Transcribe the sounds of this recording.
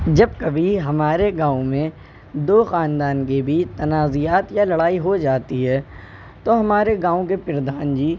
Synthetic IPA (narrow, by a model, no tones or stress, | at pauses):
d͡ʒɐb̚kɐbʱiɦɐmaːɾeɡãːõmẽ | d̪oːxaːnd̪aːnkebʱit̪ɐnaːzijaːt̪jalɐɽaːiɦod͡ʒaːt̪iɦɛː | t̪oɦɐmaːɾeɡãːõk̬epɪɾɐd̪ʱaːnd͡ʒiː